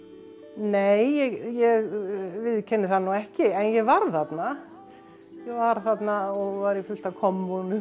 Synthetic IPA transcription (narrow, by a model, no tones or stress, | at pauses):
neːjjɛɣjɛɣvɪðcʰɛnːɪθanuɛhcɪɛnjɛɣvaɾθat̪na | jɛɣvaɾ̥θat̪naɔɣvaɾifʏlst̪akʰɔmːɔnʏ